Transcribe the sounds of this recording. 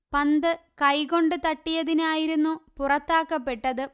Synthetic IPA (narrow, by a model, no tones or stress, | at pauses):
pɐnd̪ɨkɐjko̞ɳɖɨt̪ɐʈːijɐðinaːjiɾunːupurɐt̪ːaːkːɐpːe̞ʈːɐðɨ